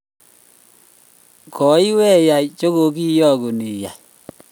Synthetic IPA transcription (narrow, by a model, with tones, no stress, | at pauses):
kɔ˨i˦wɛ˦ja˨jt͡ʃo˦ɣo˨ki˦jɔ˦ko˨ni˨ja̰˨j